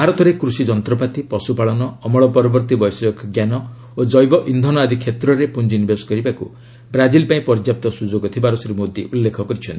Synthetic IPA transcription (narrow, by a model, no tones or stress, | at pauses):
bʱaɾɔt̪ʰɔɾekɾusid͡ʒɔnt̪ɾɔpat̪ipɔsupaɭɔnɔːmɔɭɔpɔɾɔbɔɾt̪ibɔjsɔkɡjanɔ | od͡ʒɔjbɔʔind̪ʱɔnɔad̪ʱikʰet̪ɾɔɾepund͡ʒinibesɔ̥kɔɾibakṵ | bɾad͡ʒilpaĩpɔɾd͡ʒjap̚t̪ɔsud͡ʒoɡɔt̪ʰibaɾɔsiɾimod̪iʔulːekʰɔkɔɾit͡ʃʰɔnt̪i